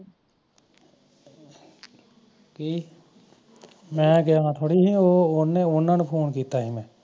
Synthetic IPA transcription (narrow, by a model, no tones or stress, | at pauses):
ki | mɛ̃ɡeɦãt̪ʰoːɽiɦɛ̃oʊneʊnənpʰoːnkiːt̪aɦɛ̃mɛ̃ː